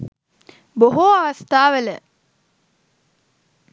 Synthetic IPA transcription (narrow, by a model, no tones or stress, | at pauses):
boɦuɐʋɐst̪aːʋelə